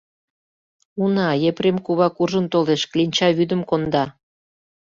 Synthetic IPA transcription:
unɑjepɾemkuβɑkuʒə̆nt̪oleʃklinʲt͡ɕɑβyd̪əmkond̪ɑ

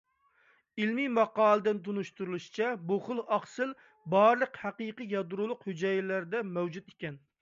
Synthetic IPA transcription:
ilmimɑqɑːlˠɨd̪ɪnt̪unuʃt̪uɾulˠuʃi̥t͡ʃʰɛboχʊlˠɑχsɨl | bɑɾlˠəqhæqiqɨjɑd̪ɾulˠʊqhyd͡ʒɛjɪlæɾd̪ɛmɛwd͡ʒut̪ikʲɛn

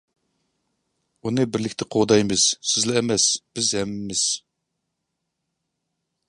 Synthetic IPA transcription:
unɨbɪɾlɪkʲt̪ʰɪqʰoʁd̪ɑjmɪz̥sɪzlɪɛmɛsb̥ɪzhɛmːɪmɪz̥

